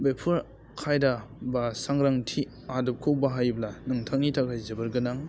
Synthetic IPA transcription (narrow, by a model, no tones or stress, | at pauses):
bepʰɯɾ | kʰajdabasaŋɾaŋtʰi | adɯp̚kʰok̚baɦajblanɯŋtʰaŋitʰakʰajzɯbɯɾɡɯnaŋ